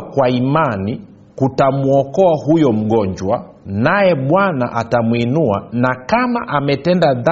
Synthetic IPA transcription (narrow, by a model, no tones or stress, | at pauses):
kwaimani | kutamuɔkɔahujɔm̩ɠɔɲd͡ʒwa | najɛɓwana̰ʔatamwinuanakamaʔamɛtɛndaða